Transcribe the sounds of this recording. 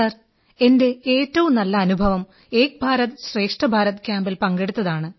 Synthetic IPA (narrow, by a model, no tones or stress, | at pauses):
ɐr | e̞nde̞eːtːɐʋumnɐlːɐːnubʱɐʋɐm | e̞ːk̚bʱaːɾɐt̪ɨɕre̞ːkʂʈɐbʱaːɾɐt̪kʲjaːmbilpɐŋɡeɽut̪ːɐðaːɳɨ